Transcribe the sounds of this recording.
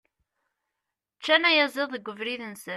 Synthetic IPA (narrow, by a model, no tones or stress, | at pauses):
t͡ʃːænæjæzˤeðˤəɡʷːəvɾiðənsə